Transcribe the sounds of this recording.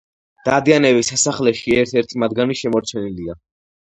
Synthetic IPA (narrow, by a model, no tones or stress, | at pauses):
d̪̥ad̪ianɛbisasaχlɛʃiɛɾt̪ʰɛɾt̪ʰimad̪̚ɡaniʃɛmɔɾt͡ʃʰɛnilia